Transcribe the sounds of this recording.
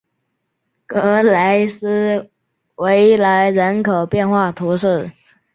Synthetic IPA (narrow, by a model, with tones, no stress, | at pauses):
kɤ˧˥la˧˥ɪsɹ̩˥ | we˧˥ɪla˧˥ɪɻə˧˥nkʰo˨˩ʊpjɛ˥˧nxwa˥˩t̪ʰu˧˥ʂɻ̩˥˩